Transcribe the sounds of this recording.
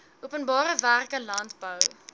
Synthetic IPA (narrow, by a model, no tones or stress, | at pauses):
ʔuəpənbɑːɾəværkəlɐntbəw